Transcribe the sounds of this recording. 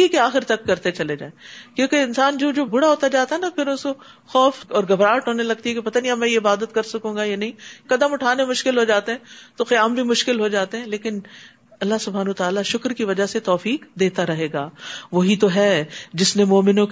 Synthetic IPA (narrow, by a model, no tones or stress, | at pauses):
ikeaːxɪɾt̪ɐkːɐɾt̪et͡ʃɐled͡ʒa̰ːekjõːkeɪnsaːnd͡ʒoːd͡ʒoːbʊɽaɦoːt̪ad͡ʒaːt̪aɦɛnapʰɪɾʊsko | xɔːfɔːɾɡɐbɾaːʈɦoːnelɐɡ̚t̪iɦɛkepɐt̪aːnĩɐbmɛ̃ːjeɪbaːd̪ət̪̚kɐɾsɐkũːɡajanɐɦĩkɐd̪əmʊʈʰaːnemʊʃkɪlɦod͡ʒaːt̪eɦɛ̃t̪oxɪjaːmbʱimʊʃkɪlɦod͡ʒaːt̪eɦɛ̃leːkɪn | ɐlːaɦsʊbʱaːnːt̪aːlaʃʊkɾkiʋɐd͡ʒaset̪ɔːfiːkd̪eːt̪aɾɐɦeːɡaːʋɐɦit̪oɦɛːd͡ʒɪsnemɔːmɪnõk